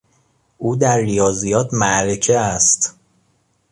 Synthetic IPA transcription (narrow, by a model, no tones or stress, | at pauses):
ʔuːd̪æɾːijɒːzijɒːt̪ʰmæʔɾecʰeæst̪